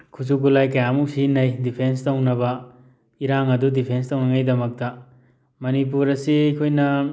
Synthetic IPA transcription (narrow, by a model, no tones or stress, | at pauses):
kʰusukulajkɐjamuk̚sinɐjdipʰens̬townɐbɐ | iɾaŋɐdudipʰenstownɐŋajdɐmɐk̚tɐ | mɐnip̬uɾɐsiajkʰojnɐ